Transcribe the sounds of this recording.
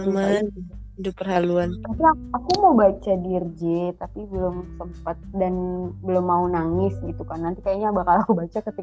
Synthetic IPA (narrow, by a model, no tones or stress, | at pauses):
man | dʊpərɦaluannant̪iaakumobat͡ʃadird͡ʒɛt̪apibəlʊmsəmpat̪̚danbəlʊmːaunaŋɪsɡit̪ukanːant̪ikajaɲaabakalaakubat͡ʃakət̪i